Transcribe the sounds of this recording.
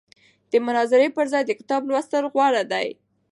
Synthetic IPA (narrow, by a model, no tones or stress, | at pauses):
d̪̥əmʊnɑzɪɾepəɾzɑjd̪əkɪ̥t̪ɑblwast̪əlɣwɑɽad̪aj